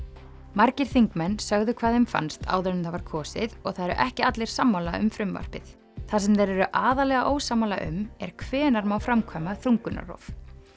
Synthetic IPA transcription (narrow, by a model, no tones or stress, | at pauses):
maɾcɪɾ̥θiŋkmɛnːsœɣðʏkʰvaːðhemfa̰nst̪ʰa̰ːwðœɾnʏmθavaɾ̥kʰɔːsɪ̰ðɔɣθaðɛɾʏ̰ʔɛhcɪat̪lɛjɾ̥samːalaʏ̰mfɾʏmva̰r̥pɪθ | θasɛmðejɾɛɾʏʔaːðalɛɣaʔoːwsamala̰ʔʏ̰mɛ̰ɾ̥kʰvɛːnaɾmawfɾamkʰamaθɾuŋkʏna̰rɔ̰v